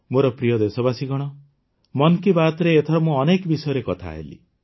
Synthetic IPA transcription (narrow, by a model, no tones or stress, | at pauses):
moɾɔpɾijɔd̪esɔbasiɡɔɽ̃ɔ | mɔnkibat̪ɔɾeːt̪ʰɔɽɔmũɔnekbisɔjɔɾekɔt̪ʰa̰ɦḛlḭ